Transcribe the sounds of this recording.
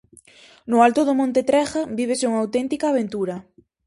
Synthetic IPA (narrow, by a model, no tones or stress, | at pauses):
nʊalt̪ʊðʊmõnt̪et̪ɾɛɣabiβ̞esuŋawt̪ɛnt̪ikaːβ̞ent̪uɾɐ